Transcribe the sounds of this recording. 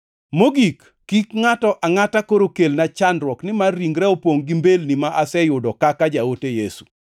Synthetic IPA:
moɡikː | ikŋatɔʔaŋatakoɾokelnat͡ʃandɾwɔknɪmarːiŋɡɾɛopwoŋɡimbelnimaʔasɛjʊdɔkakad͡ʒaotejesu̥

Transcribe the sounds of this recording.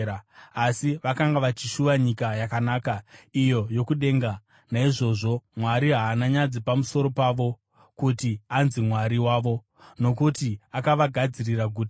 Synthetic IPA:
aasiʋakaŋɡaʋat͡ʃiʃuʋaɲikajakanaːkaijo̞jo̞kuɗe̞ːŋɡa | naiʐo̞ʐo̞mwaɾiɦaːnaɲad͡zipamuso̞ɾo̞paːʋo̞ | kutianzimwaɾiwaːʋo̞ | no̞kutiakaʋaɡʱad͡ziriraɡʱuːti

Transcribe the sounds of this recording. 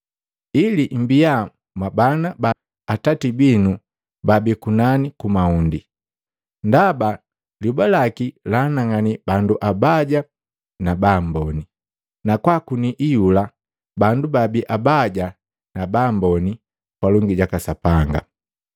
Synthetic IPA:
ilim̩bija | mwabanaba | atatibinu | babikunanikumaundi | ndaba | liubalakilanaŋanibanduʔabaɟa | nabambɔni | nakwakuniʔijula | bandubabiʔabaɟa | nabambɔni | kwaluŋɡiɟakasapaŋɡa̰

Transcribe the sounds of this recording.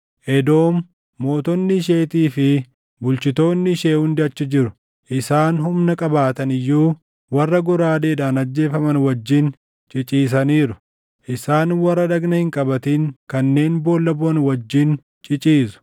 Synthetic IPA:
ʔɛd̪o̞ːmː | o̞ːt̪ɔnːɪʃ̬e̞ːt̪iːfɪ | bʊlt͡ʃɪt̪o̞ːnːɪʃeːhʊnd̪ɪɐt͡ʃːɐd͡ʒɪɾʊ̥ | ʔɪsaːnhʊmnɐkʼɐbaːt̪ɐnɪjːuː | wɐrːɐɡɔɾaːd̪eːᶑaːnɐd͡ʒːe̞ːfɐmɐnwɐd͡ʒːɪn | t͡ʃʼɪt͡ʃʼiːs̬ɐniːɾʊ | ʔɪsaːnwɐrːɐd̪ɐɡnɐhɪŋkʼɐbɐt̪iːŋkɐnːe̞ːnbo̞ːlːɐbnwɐd͡ʒːɪn | t͡ʃʼɪt͡ʃʼiːsʊ̥

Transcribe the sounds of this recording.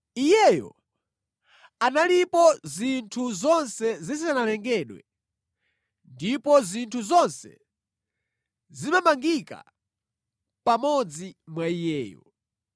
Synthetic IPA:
ijɛjɔ̰ | analipɔzintʰuzɔnsɛzis̬analɛŋɡɛɗwɛ̰ | ndipɔzintʰuzɔnsɛ̰ | zimamaŋɡika̰ | pamɔd͡zimwaijɛːjɔ̰

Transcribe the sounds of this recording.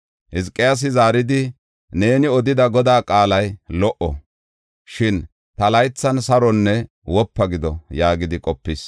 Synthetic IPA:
hɪskʼːɪjas̬ɪzaːɾɪd̪ɪ | ne̞ːnɪɔd̪ɪd̪ɐɡɔd̪aːkʼaːlɐjlɔʔɔ | ʃɪn | t̪ɐlɐjt͡sːɐnsɐɾɔnːɛ | wɔpːɐɡɪd̪ɔjaːɡɪd̪ɪkʼɔpːɪs

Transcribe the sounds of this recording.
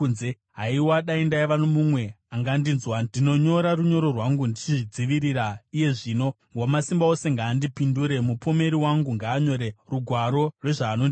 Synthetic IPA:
nze | ɦaiwaɗaindaiʋanomumwe̞ | aŋɡandinzwadino̞ɲo̞ɾaruɲo̞ɾo̞rwaŋɡundit͡ʃiʐid͡ziʋiɾiɾaije̞ʐiːno̞ | ŋɡwamasimbao̞se̞ŋɡaːndipinduɾe̞mupo̞me̞ɾiwaŋɡuŋɡaːɲo̞ɾeruɡʱwaɾo̞rwe̞ʐaːnondi

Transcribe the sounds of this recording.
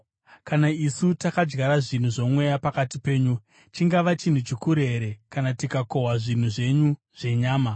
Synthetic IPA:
kanaisutakad͡ʒɡaɾaʐin̤uʐo̞mwe̞japakatipe̞ːɲu | t͡ʃiŋɡaʋat͡ʃin̤ut͡ʃikuɾeɾe̞kanatikako̞ɦwaʐin̤uʐe̞ɲu | ʐ̥e̞ɲaːma

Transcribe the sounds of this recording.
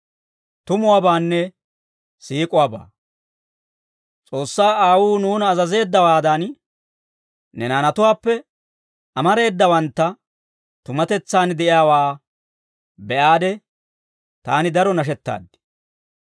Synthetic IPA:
t̪ʊmʊwaːbaːnːɛ | siːkʼʊwaːba̰ː | t͡sʼo̞ːsːaːaːwuːnuːnɐːzɐze̞ːd̪ːɐwaːd̪ɐn | nɛnaːnɐt̪ʊwaːpːɛ | ɐmɐɾe̞ːd̪ːɐwɐnt̪ːɐ | t̪ʊmɐt̪ɛt͡sːaːnd̪ɛʔɪjaːwaː | bɛʔaːd̪ɛ | t̪aːnɪd̪ɐɾɔnɐʃ̬ɛt̪ːa̰ːd̪ːɪ̥

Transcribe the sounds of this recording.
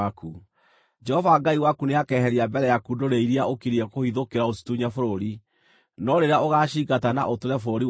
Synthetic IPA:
aku | d͡ʒɛhɔvaɡaiwakuneakɛːhɛɾiabɛɾɛjakudoɾeiɾiaokiɾiɛkohiðokeɾaosi̥tuɲafoɾoɾi | nɔɾeɾeaoɣaɕiːɡatana̰ʔotoɾɛfoɾoɾi

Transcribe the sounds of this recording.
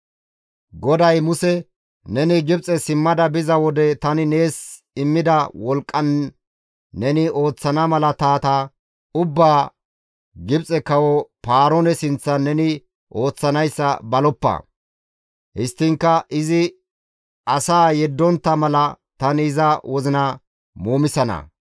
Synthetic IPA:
ɡɔd̪ɐjmʊsɛ | nɛnɪɡɪbt͡sʼɛsɪmːɐd̪ɐbɪzɐwɔd̪ɛt̪ɐnɪne̞ːs | ɪmːɪd̪ɐwɔlkʼːɐnː | ɛnɪʔo̞ːt͡sːɐnɐmɐlɐt̪aːt̪a | ʊbːaː | ɡɪbt͡sʼɛkɐwɔpaːɾɔnɛsɪnt͡sːɐnɛnɪ | ʔo̞ːt͡sːɐnɐjsːɐ̰bɐlɔpːɐ̰ | hɪst̪ːɪŋkːɐʔɪzɪ | ɐsaːjɛd̪ːɔnt̪ːɐmɐlɐ | t̪ɐnɪːzɐwɔzɪnɐ | moːmɪsɐnɐ̰

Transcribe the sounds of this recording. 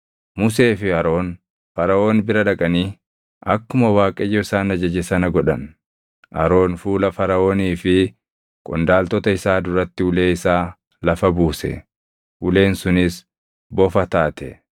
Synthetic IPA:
mʊs̬e̞ːfɪɐɾo̞ːn | fɐɾɐʔo̞ːnbɪɾɐᶑɐkʼɐniː | ɐkːʊmɐwaːkʼɛjːɔɪsaːnɐd͡ʒɐd͡ʒɛsɐnɐɡɔᶑɐ̰n | ʔɐɾo̞ːnfuːlɐfɐɾɐʔo̞ːniːfɪ | kʼɔnd̪aːlt̪ɔt̪ɐɪsaːd̪ʊɾɐt̪ːɪʊle̞ːɪsaː | lɐfɐbuːsɛ̰ | ʔʊle̞ːnsʊnɪs | bɔfɐt̪aːt̪ɛ

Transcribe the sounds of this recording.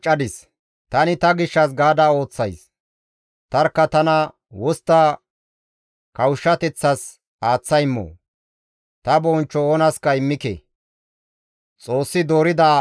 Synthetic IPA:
t͡ʃʼːɐd̪ɪs | t̪ɐnɪt̪ɐɡɪʃːɐs̬ɡaːd̪aːo̞ːt͡sːɐjs | t̪ɐɾkːɐt̪ɐnɐ | wɔst̪ːaː | kɐwʃːɐt̪ɛt͡sːɐs | aːt͡sːɐjmːo̰ː | t̪ɐbɔːnt͡ʃːɔoːnɐskɐɪmːɪkɛ̰ | t͡sʼo̞ːsːɪd̪o̞ːɾɪd̪aː

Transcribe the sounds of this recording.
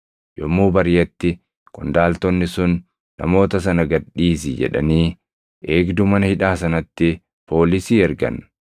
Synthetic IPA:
jɔmːuːbɐɾjɛt̪ːɪ | kʊnd̪aːlt̪ɔnːɪsʊnː | ɐ̰mo̞ːt̪ɐs̬ɐnɐɡɐɗːiːsɪd͡ʒɛ̰ᶑɐ̰niː | ʔeːɡd̪ʊmɐnɐhɪᶑaːsɐnɐt̪ːɪ | pʰo̞ːlɪsiːɛɾɡɐ̰n

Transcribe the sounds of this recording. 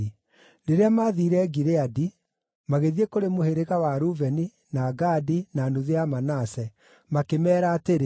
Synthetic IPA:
ɾeɾeamaðiːɾɛːɡiɾeadi | maɣeðiekoɾemoheɾeɣawaɾuvɛni | naːɡaːdinanoðeamanasɛ | makemɛːɾaːteɾe

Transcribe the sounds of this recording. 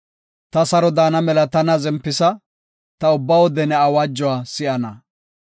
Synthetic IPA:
t̪ɐsɐɾɔd̪aːnɐmɛlɐt̪ɐnɐzɛmpːɪsɐ | t̪ɐʊbːɐwɔd̪ɛnɛɐwad͡ʒːɔwaːsɪʔɐnɐ

